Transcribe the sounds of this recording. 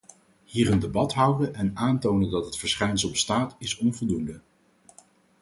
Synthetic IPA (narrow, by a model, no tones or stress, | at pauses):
hiːrəndebɑtɦʌwdənʔɛnaːntownəndɑtɦətfəɹsχɛjnsəlˠbəstaːtɪsɔnvɔlˠdundə